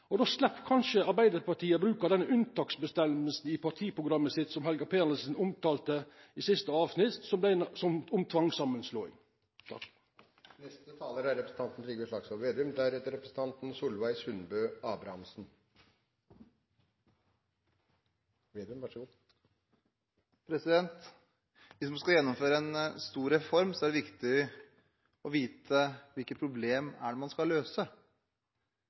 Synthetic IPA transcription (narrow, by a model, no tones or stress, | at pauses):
ɔd̪oːslɛpːkʰɑnʃəɑɾbæɪd̪əɾpɑʈʰiːəbɾʉːkəd̪ɛnːəʔʉnt̪ʰɑːksbəst̪ɛməlsn̩ɪpʰɑʈ̪ʰiːpɾʊɡɾɑmːəsɪt̪sɔmɦɛlɡɑpʰeːnəsn̩ʊmt̪ɑːlt̪ə | isɪst̪əɑːʋsnɪt̪sɔmd̪æɪsɔmʊmt̪ʰʋɑŋsɑmːənsloːɪ̰ | nɛst̪ət̪ʰɑːləɾæɾɛpɾəsn̩t̪ɑnt̪n̩t̪ɾiːɡəʂlɑksɔʋeːd̪ʉmd̪æɾhɛt̪əɾɛpɾəsn̩t̪ɑnt̪n̩suːlʋæɪshʉnbøːɑːbɾɑɑmsn̩ | ʋeːd̪ʉmʋɑʂ | pʰɾɛsɪd̪ɛnt̪ | ʋɪsmɑskɑjɛnːɔmføːɾəɛnst̪uːɾɛfɔɾmsɔæɖɛʋɪkt̪ɪ | ɔʋiːt̪ʰəʋɪlkət̪pʰɾʊbleːmæɖɛmɑnskɑløːsə